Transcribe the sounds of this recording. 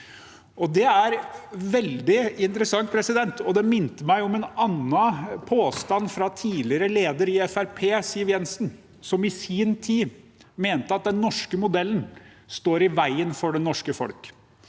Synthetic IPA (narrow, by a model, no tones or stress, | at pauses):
ɔd̪ɛæɾʋɛld̪ɪɪnt̪əɾəsɑŋt̪̚pʰɾɛsɪd̪ɛnt̪ɔd̪ɛmɪnt̪əmæɪɔmɛnɑnːɑpʰoːst̪ɑnːfɾɑt̪ʰiːlɪəɾəleːd̪əɾɪɛfæɾpʰeːsiːəʋjɛnsn̩ | sɔmɪsiːnt̪ʰiː | meːnt̪əɑt̪̚d̪ɛnːɔʂkəmʊd̪ɛlːn̩ | st̪oːɾɪʋæɪənfɔɖɛnːɔʂkəfɔ̰lk